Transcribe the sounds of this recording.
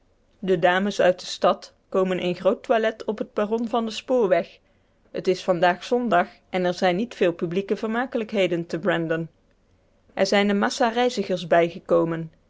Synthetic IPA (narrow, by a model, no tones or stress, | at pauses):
dədaːməsœɥt̚dəstɑt | kowmənʔənχrowtʋalɛtʰɔpɦət̚b̥arɔnvɑndəspʊːɹʋɛχ | hətɪsfɑndaːχsɔndɑχ | ɛnɛɹzɛjnːitfɪːlˠpyblikəvəɹmaːkələkɦejdəntəbɹɛndən | ʔɛɹzɛjndəmɑsaːrɛjzəχəɹzbɛjχəkowmən